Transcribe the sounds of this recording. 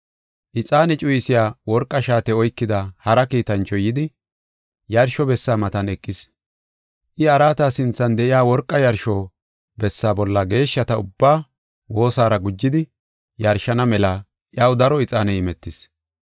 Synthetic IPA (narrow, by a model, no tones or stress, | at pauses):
ʔɪt͡sʼaːnɛt͡ʃʼʊjɪsɪjaːwɔɾkʼːɐʃaːt̪ɛɔjkːɪd̪ɐhɐɾɐkiːt̪ɐnt͡ʃːɔjɪd̪ɪ | jɐɾʃɔbɛsːaːmɐt̪ɐnɛkʼːɪs | ʔɪɐɾaːt̪aːsɪnt͡sːɐnd̪ɛʔɪjaːwɔɾkʼːɐjɐɾʃɔ | bɛsːaːbɔlːɐɡe̞ːʃːɐt̪ɐʊbːaː | wo̞ːsaːɾɐɡʊd͡ʒːɪd̪ɪ | jɐɾʃɐnɐmɛlɐ | ʔjɐwd̪ɐɾɔɪt͡sʼaːnɛɪmɛt̪ːɪs